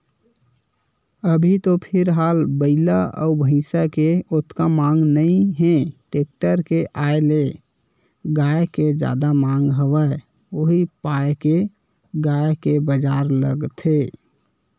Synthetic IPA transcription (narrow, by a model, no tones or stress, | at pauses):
əbʱit̪opʰɪɾɦalbəɪlaɔ̰ubʱə̃ɪsakeot̪kamaŋɡnəĩɦẽʈek̚ʈəɾkeʔaele | ɡajked͡ʒa̰d̪amaŋɡɦəwə | oɦipaeke | ɡajkebəd͡ʒaɾlə̰ɡt̪ɦe